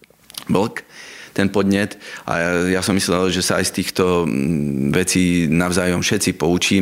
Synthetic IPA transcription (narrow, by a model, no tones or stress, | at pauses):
bl̩kt̪ɛnpɔd̪ɲɛt̪ʔa̰jasɔmːislɛlʒɛsaa̰jst̪iːxt̪ɔ | ʋɛt͡siːnaʊzaːjɔmfʃɛt̪t͡sipɔut͡ʃiːm